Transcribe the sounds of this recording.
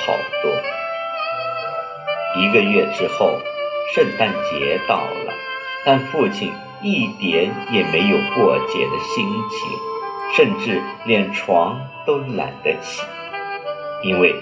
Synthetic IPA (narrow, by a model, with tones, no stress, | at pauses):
xɑ̰˨˩ʊkwɔ̰˥ | i˧˥ɡə˧ɥɛ˥˩ʈ͡ʂɻ̩˥xo˥˩ʊʂə˥˧nt̪ʰa˥˩nt͡ɕjɛ˧˥t̪ɑ˥˩ʊlə̰˩ | t̪a˥˧nfu˥˩t͡ɕʰi˨˩n | i˥˩t̪jɛ˧˥njɛ˨˩me˧˥ɪjo˨˩ʊkwɔ˥˩t͡ɕjɛ̰˨˩d̪ə˦ɕi˥ŋt͡ɕʰḭ˨˧˥ʂə˥˧nʈ͡ʂɻ̩˥˩ljɛ˥˩nʈ͡ʂʰwɑ˧˥ŋt̪o˥ʊna̰˨˧˥ɪd̪ə˧t͡ɕʰḭ˨˩˦ | i˥nwe˥˩ɪ